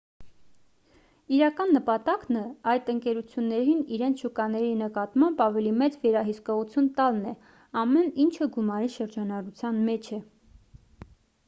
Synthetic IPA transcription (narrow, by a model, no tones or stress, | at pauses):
iɾɑkɑnːəpɑt̪ɑknəɑjt̪əŋkɛɾut͡sʰjunːɛɾiniɾɛnt͡sʰʃukɑnɛɾinəkɑt̪mɑmbɑvɛlimɛt͡svɛɾɑɦiskɔʁut͡sʰjunt̪ɑlnɛ | ɑmɛnint͡ʃʰəɡumɑɾiʃəɾd͡ʒɑnɑrut͡sʰjɑnmɛt͡ʃʰɛ